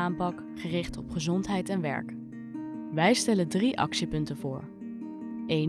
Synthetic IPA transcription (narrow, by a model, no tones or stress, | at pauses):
aːmpɑk | χərɪχtɔpχəzɔntɦɛjtɛnʋɛ̰ɹk | ʋɛjstɛlədriʔɑ̰ksipɵntəvʊ̰ːɹ | ʔej